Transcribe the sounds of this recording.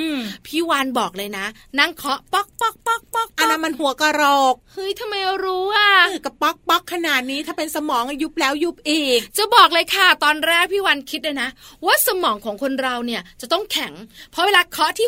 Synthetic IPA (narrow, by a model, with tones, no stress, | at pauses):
ʔɯː˧˩pʰiː˥˩waː˧nbɔː˨˩k̚lɤː˧jna˦˥ | na˥˩ŋkʰɔ˦˥ʔpɔ˦˥˩k̚pɔ˦˥˩k̚pɔ˦˥˩k̚pɔ˥˩k̚ʔa˧na˦˥mːa˧nhu˩˦ɐka˧ɾɔː˨˩k̚hɯ˦˥jt̪ʰa˧ma˧ja˧ɾuː˦˥ʔa˧˩ɯ˧˩ka˨˧˩pɔ˦˥k̚pɔ˦˥kʰːa˧naː˨˩t̪̚niː˦˥t̪ʰaː˥˩pe˧nsa˧mɔː˨˩˦ŋʔa˧ju˦˥p̚lɛː˦˥wju˦˥p̚ʔeː˧˩t͡ɕa˨˩bɔː˨˩k̚lɤː˧jkʰa˥˩t̪ɔː˧nɾɛː˥˩k̚pʰiː˥˩waː˧nkʰi˦˥t̪̚laː˧na˦˥ʔwaː˥˩sa˧mɔː˩˦ŋkʰɔː˩˦ŋkʰo˧nɾa˧wni˥˩ɐt͡ɕa˨˩t̪ɔ˥˩ŋkʰɛ˨˩˦ŋpʰɔ˦˥weː˧laː˧kʰɔ˦˥ʔt̪ʰiː˥˩